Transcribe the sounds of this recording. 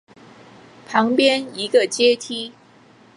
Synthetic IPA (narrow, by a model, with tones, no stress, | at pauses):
pʰɑ˧˥ŋpjɛ˥ni˧˥ɡə˧t͡ɕjɛ˥t̪ʰi˥